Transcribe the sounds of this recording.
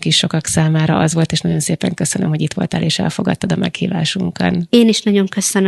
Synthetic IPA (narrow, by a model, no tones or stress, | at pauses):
kiʃʃo̞kɒksaːmaːɾɒɒzʋo̞lt̪eːʃnɒɟo̞nseːpɛŋkø̞sønømɦo̞ɟit̪ʋo̞lt̪ɛ̰lʔeːʃɛ̰lfo̞ɡɒt̪ːɒd̪ɒmɛkhḭːvaːʃuŋkɒ̰neːniʃnɒɟo̞ŋkøsøn